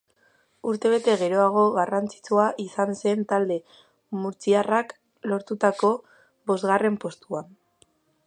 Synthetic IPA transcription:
uɾt̪e̞β̞e̞t̪e̞ɣe̞ɾo̞aɣ̞o̞ɣarant͡si̥t͡suaʔisanse̞nt̪ald̪e̞ | muɾt͡siarak | lo̞ɾt̪ut̪ako̞ | bo̞zɣare̞mpo̞st̪uan

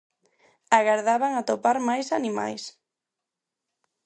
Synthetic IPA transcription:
aɣaɾðaβaŋat̪opaɾmajsanima̰js

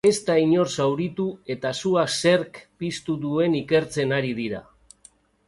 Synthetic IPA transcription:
e̞st̪aiɲo̞rsawɾit̪ue̞t̪asuase̞ɾkpist̪uðue̞nike̞ɾt͡se̞naɾiðiɾa̰

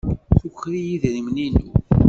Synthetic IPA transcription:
θuçɾijiðɾimninṵ

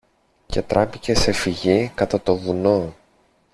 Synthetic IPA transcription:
ce̞t̪ɾɐpice̞se̞fiʝikɐt̪ɐt̪o̞vuno̞

